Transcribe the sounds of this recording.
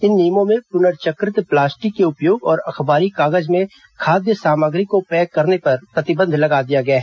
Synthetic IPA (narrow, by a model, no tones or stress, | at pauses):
ɪnːiːmõmẽpʊnəɾt͡ʃəkɾɪt̪plaːsʈikːeʊpjoːɡɔːɾɐxbaːɾikaːɡəd͡ʒmẽ | kʰaːd̪jəsaːməɡɾikopɛːkɐɾnepɐɾpɾɐt̪ɪbə̃nd̪ʱlɐɡaːd̪ijaɡɐjaɦ